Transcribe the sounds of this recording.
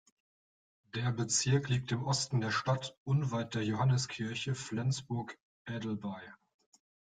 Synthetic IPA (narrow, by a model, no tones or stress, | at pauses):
d̥eːɐbət͡sɪɐkliːk̚tɪmʔɔstn̩deːɐʃtatʔʊnvaɪt̚d̥eːɐjohanəskʰɪɐçəflɛnsb̥ʊɐk | ʔɛːdl̩baɪ